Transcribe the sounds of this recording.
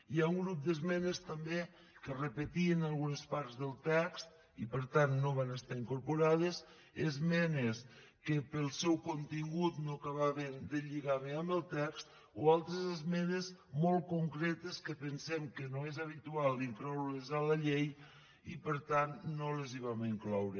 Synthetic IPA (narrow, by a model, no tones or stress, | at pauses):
iauŋɡɾup̚d̪əzmɛnest̪əmbe | kərəpət̪iənalˠɣunəspaɾzðəlˠt̪ɛkst̪ | ipəɾt̪anːoβ̞anəst̪aiŋkuɾpuɾað̞əs | ezmɛnes | kəpəlˠsɛwkont̪iŋɡut̪nokəβaβend̪əʎiɣaβeəmbəlˠt̪ɛkst̪ | oalˠt̪ɾezezmɛnezmolˠkuŋkɾɛt̪əskəpənsɛmkənoezaβ̞it̪ualˠd̪iŋklɔwlezaləʎej | ipəɾt̪anːoləziβ̞amiŋklɔwɾə